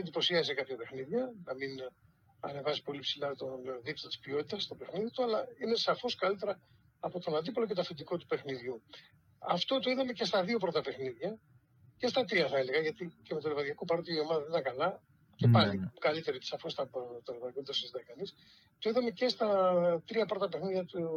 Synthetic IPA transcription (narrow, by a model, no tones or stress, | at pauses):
nd̪ipo̞siɐsekɐpçɐpe̞xniðʝɐnɐmin | ɐ̰ne̞vɐsipo̞lipsilɐt̪onðipt̪ɐt̪i̥spio̞t̪it̪ɐst̪o̞pe̞xniðit̪uɐlɐine̞sɐfo̞skɐlit̪e̞ɾɐː | po̞t̪o̞nɐnd̪ipolocet̪ofind̪iko̞t̪u̥pe̞xniðʝu | ɐ̰ft̪o̞t̪o̞iðɐme̞ce̞st̪ɐðio̞pɾo̞t̪ɐpe̞xniðʝɐ | ce̞st̪ɐt̪ɾiɐθɐeleɣɐʝɐt̪iceme̞t̪olvɐðʝɐkopɐɾot̪iio̞mɐðɐðnit̪ɐŋkɐlɐ | ce̞pɐlikɐlit̪eɾoit̪esɐfo̞st̪ɐpot̪olevɐðikoit̪ɐsizit̪ɐikɐnis | t̪oiðɐme̞ce̞st̪ɐt̪ɾiɐpɾo̞t̪ɐpe̞xniðʝɐt̪u